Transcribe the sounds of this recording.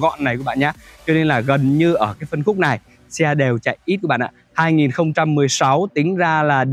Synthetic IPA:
ɣɔ̰˧˨nːa˨˩jkɓaː˧˨nɲaː˧˦t͡ɕɔ˧ne˧nlaː˨˩ɣə˨˩nɲɨ˧ʔəː˧˩kaː˨˦jfə˧nxʊ˦˥k͡p̚na˨˩j | sɛ˧ɗe˨˩wt͡ɕa̰˧˨jʔi˦˥ku˧˩ɓ̰ːʔa̰ː˧haː˧jŋi˨˩nxə˧wŋ͡mt͡ɕa˧mːɨ˨˩əjsa˨˦wt̪ï˨˦ŋ̟zaː˧laː˨˩ɗ

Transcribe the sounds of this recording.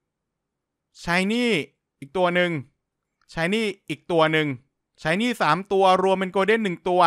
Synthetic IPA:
t͡ɕʰa˦˥jniː˥˩ | ʔiː˨˩k̚t̪u˧ɐnɯ˧ŋ | t͡ɕʰa˦˥jniː˥˩ʔiː˨˩k̚t̪u˧ɐnɯ˧ŋ | t͡ɕʰa˦˥jniː˥˩saː˩˦mt̪u˧ɐɾu˧əmpe˧nkoː˧de˥˩˨nːɯ˨˩ŋt̪u˧ɐ

